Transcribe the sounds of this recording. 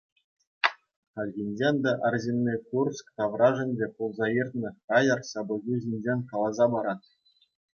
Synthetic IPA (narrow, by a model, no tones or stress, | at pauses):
χɑlʲɣʲinʲd͡ʑʲenʲd̪ɑʔærʲzʲenʲːekurskt̪ɑʋrɑʐɘ̆nʲdʲepolˠzɑjirʲt̪nɤ̆kɑjɑrsɑbɤ̆zʲuʑʲinʲd͡ʑʲenʲkɑlˠɑzɑbɑɾɑt̪̚